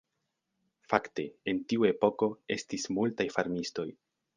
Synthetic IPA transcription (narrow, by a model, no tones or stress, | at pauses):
fakte̞entiue̞po̞ko̞e̞stismultajfaɾmisto̞j